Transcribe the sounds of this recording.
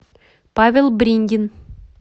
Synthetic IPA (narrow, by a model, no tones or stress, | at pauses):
pavʲelˠbɾʲiŋɡʲɪn